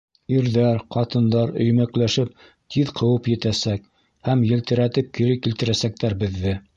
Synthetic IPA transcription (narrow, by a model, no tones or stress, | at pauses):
iɾðæɾqɑt̪ɤ̆nd̪ɑɾɵ̰̆jmæklæʃɘp̚ | t̪ʰiðqʰɤ̆wɤpjɘ̆t̪æsæk | hæmjɘ̆lt̪ɘ̆ɾæt̪ɘp̚kiɾɘkilt̪ɘ̆ɾæsæk̚t̪æɾbɘ̆ðːɘ